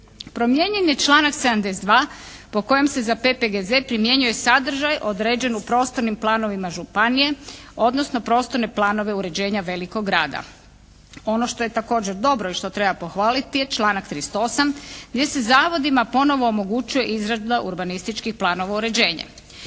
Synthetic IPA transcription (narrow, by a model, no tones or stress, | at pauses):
pɾo̞mje̞ɲe̞nje̞t͡ʃlˠaːnaksed̪amd̪esd̪ʋaːpo̞ko̞je̞mse̞zapepeɡeze̞pɾimje̞ɲuje̞sad̪r̩ʒajʔo̞d̪ɾe̞ːd͡ʑe̞nupɾo̞ːst̪oɾnimplˠaːno̞ʋimaʒupanije̞o̞d̪nosno̞pɾo̞ːst̪o̞ɾne̞plˠaːno̞ʋe̞uɾe̞d͡ʑe̞ːɲaʋe̞liko̞ɡɾaːd̪a̰ | o̞no̞ʃt̪o̞je̞t̪ako̞ːd͡ʑeɾd̪o̞bɾoiʃt̪o̞t̪ɾe̞bapo̞xʋaːlit̪ije̞t͡ʃlˠaːnakt̪ɾist̪oo̞samɡd̪je̞se̞zaːʋo̞d̪imapo̞no̞ʋo̞ːmo̞ɡut͡ɕuje̞ʔizɾazd̪aʔuɾbanist̪it͡ʃkixplˠaːno̞ʋauɾe̞d͡ʑe̞ːɲa̰